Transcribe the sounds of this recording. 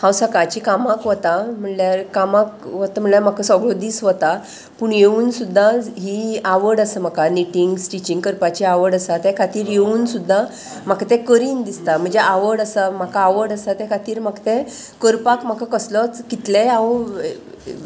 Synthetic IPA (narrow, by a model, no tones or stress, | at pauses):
hãwsəkat͡ɕikamakʋət̪am̤əɳljaɾkamak̚ʋət̪am̤əɳljaɾm̤akəsɔɡɭɔd̪iːsʋət̪a | puɳjeuːnsud̪ʱːaɦiaʋəɽəsəm̤akaniʈiŋɡsʈit͡ɕiŋɡkəɾpat͡ɕiaʋəɽəsat̪ɛkʰat̪iːɾjeuːnsud̪ʱːa | m̤akat̪ɛ̃kəɾiːnd̪ist̪am̤əɳd͡zeʔaʋəɾɽəsam̤akaːʋəɾɽəsat̪ɛ̃kʰat̪iːɾm̤akt̪ɛ̃ | kəɾpakm̤akakəslɔt͡skit̪leaw